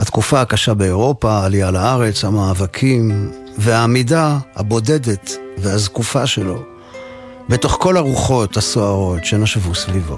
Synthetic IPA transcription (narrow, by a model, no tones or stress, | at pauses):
hat̪kufaːkaʃabeːʁo̞paːlijalaaʁe̞t͡shamaːvakʰim | veamidaha̰bo̞de̞de̞tveazkufaʃe̞lo̞ | be̞to̞χko̞laʁuχo̞thasoaʁo̞tʃenaʃvusvivo